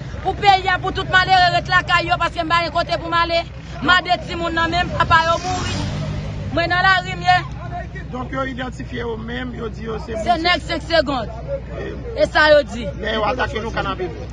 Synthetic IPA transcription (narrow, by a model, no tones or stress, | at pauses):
pupejiap̬ut̪ut̪̚maleɣeʁɛt̪lakajjopaskem̩paɡɛ̃kot̪epumale | m̩ãdet͡simũnːɐ̃mɛ̃mpapajomuɣi | mw̃ɛ̃nɐ̃laʁimje | d̪ɔ̃kjoid̪ɑ̃tifjejomɛ̃mjod͡zijosemssenɛɡsɛ̃kseɡɔ̃d̪ | esajod͡zimɛjoat̪akelokanãbebi